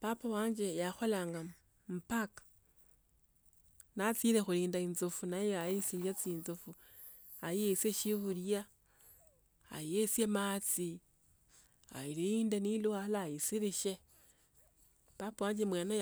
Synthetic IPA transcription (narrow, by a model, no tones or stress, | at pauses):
papawaːɲd͡ʒe̞jaxo̞laːŋɡa | m̩pakḁ | nat͡siɾexuliːndainzofunajeajisiːɲd͡ʒat͡siːnzofu | ajijeseʃiβulja | a̰jesjemat͡si | a̰iliiːndenilualajisiɾiʃe̞ | papawaːɲd͡ʒe̞mwena